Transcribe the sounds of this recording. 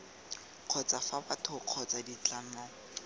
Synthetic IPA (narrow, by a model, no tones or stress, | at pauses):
q͡χʰɔt͡safabatʰʊq͡χʰɔt͡sadit͡ɬan̩ɔːŋ̩